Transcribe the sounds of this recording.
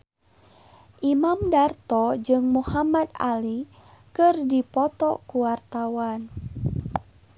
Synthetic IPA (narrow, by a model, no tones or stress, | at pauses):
ʔimamdart̪ɔd͡ʒɨŋmuhamad̪a̰likɨrdipɔt̪ɔkuwart̪awan